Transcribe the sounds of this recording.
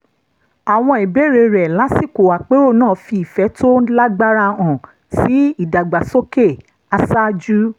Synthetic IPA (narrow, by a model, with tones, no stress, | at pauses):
a˨w̃ɔ̃˧i˨be˨˦ɾe˧ɾɛ˨la˨˦si˦˨ko˨wa˨k͡pe˦ɾo˦˨nãː˦˨fi˧i˨fɛ˨˦to˦la˦ɡ͡ba˦ɾa˧˨ɔ̃˨ | si˨˦i˦˨da˨ɡ͡ba˨so˦ke˦˨ | a˧sa˦d͡ʒu˦